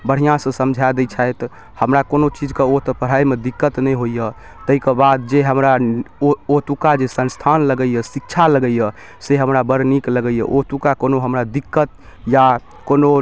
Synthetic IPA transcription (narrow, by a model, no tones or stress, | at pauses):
bəɽ̤ijãsə̃səmd͡ʒʱad̪et͡ʃʰaet̪ | həmɾakonot͡ʃid͡ʒkeot̪pəɽ̤aimed̪ikːət̪nɛjɦojə | t̪əikebad̪̚d͡ʒeɦəmɾa | ot̪ukad͡ʒesə̃nst̪ʰanləɡəjəsik̚t͡ʃʰaləɡəjə | seɦəmɾabəɾnikləɡəjəʔot̪ukakonoɦəmɾad̪ikːət̪̚ | ja | kono